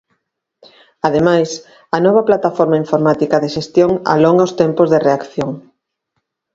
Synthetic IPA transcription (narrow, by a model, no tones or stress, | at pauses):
aðemajs | ɐnɔβ̞ɐplat̪afɔɾmaiɱfoɾmat̪ikɐðeʃest̪joŋa̰loŋaʊst̪ɛmpozðereakθjoŋ